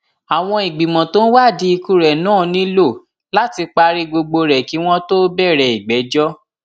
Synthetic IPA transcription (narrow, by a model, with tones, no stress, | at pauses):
a˨w̃ɔ̃˧i˨ɡ͡bi˨mɔ̃˨to˦n̩˦wa˦˨di˨˦i˧ku˦˨ɾɛ˨nãː˦˨˧nĩ˨˦lo˦˨ | la˦ti˧k͡pa˧ɾi˧ɡ͡bo˧ɡ͡bo˧ɾɛ˨ki˨˦w̃ɔ̃˦to˦bɛ˦˨ɾɛ˨i˨ɡ͡bɛ˨˦d͡ʒɔ˦